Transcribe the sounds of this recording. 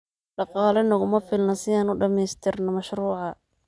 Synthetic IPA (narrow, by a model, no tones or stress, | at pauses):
ɖɑqɑːlɐnɐɣʊmɐfɪlnɐsɪaːnʊɖɐmɛːst̪ʰɪrnɐmɐʃruːʕɑ